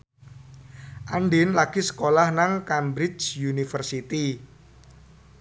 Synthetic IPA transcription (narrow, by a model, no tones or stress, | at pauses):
ʔaɳɖɪnlaɡ̥isə̥kolahnaŋkambɾɪt͡ʃjunifərsit̪i